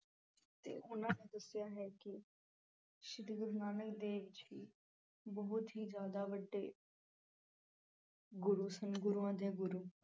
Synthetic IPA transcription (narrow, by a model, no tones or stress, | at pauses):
t̪ḛːʊnãːned̪əsɪjaːɦɛːkɪ | ʃɪd̪ɡəd̪naːnəkd̪eːʋɪt͡ʃɦiː | bəɦʊt̪ɦiːd͡ʒjaːd̪aːʋəɖːeː | ɡʊɾuːsənɡʊɾuːãːd̪eːɡʊɾuː